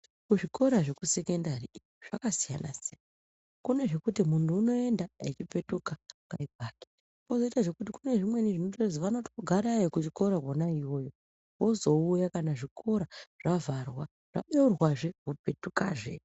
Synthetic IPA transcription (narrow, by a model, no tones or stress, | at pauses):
kuʐiko̞ɾaʐe̞kuse̞ke̞ndariioʐ̥akasija̰na̰sijan | kune̞ʐe̞kutimuntuːno̞e̞ndaet͡ʃipe̞tukaŋɡaib̚ʱaːke̥ | pozo̞itaʐe̞kut̬ikune̞ʐimwe̞niʐinotorezoʋanoti̥koɡʱaɾajokut͡ʃiko̞ɾakwonaiwo̞ːjo̞ | wo̞zo̞ujakanaʐikʰo̞ɾaʐ̥avarwa | ʐ̥a̰ɓe̞urwaʐe̞wope̞tuka̰ʐḛ